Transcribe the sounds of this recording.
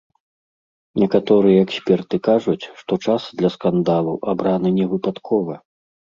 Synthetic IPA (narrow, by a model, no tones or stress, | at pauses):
nʲɛkat̪ɔɾɨjɛɛksʲpʲɛrt̪ɨkaʐut͡sʲʂt̪ɔt͡ʂasd̪lʲɐskand̪alˠɐwʔabɾanɨnʲɛvɨpat̪kʰɔvɐ